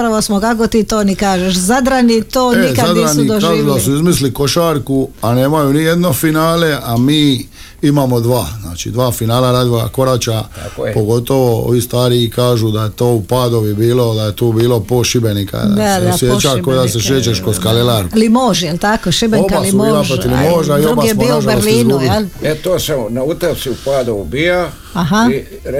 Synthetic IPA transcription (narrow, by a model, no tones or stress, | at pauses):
pɾaʋosmokakot̪iːt̪oːnikaːʒeʃzad̪ɾanit̪oːneizk̪ad̪anikd̪okaːʒud̪asuizmisliko̞ʃaːɾkuane̞ːmajunijed̪no̞finaːleʔamiː | imamo̞d̪ʋaːzna̰ːt͡ʃḭd̪ʋaːfinaːlaɾaːd̪ʋoɡa̰ko̞ɾat͡ʃapoɡo̞t̪o̞ʋo̞o̰ʋiːst̪aːɾiikaːʒud̪ajet̪oːupaːd̪o̞ʋibiːlo̞d̪ajet̪oːbiːlo̞poʃibenikʰa̰d̪aasesjet͡ʃakod̪aseʃeːt͡ʃeʃkoskalilaɾlimoːʒjelt̪akoʃibeobalimoaʒpɾot̪ilimoːʒaiobasmoaʒɾslinuːbilet̪oːsanaut̪asiupaːd̪uubija | aɦa